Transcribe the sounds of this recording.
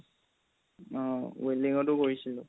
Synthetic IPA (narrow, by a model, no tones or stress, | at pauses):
ɔ̃weliŋɔtʊkoɹisilʊ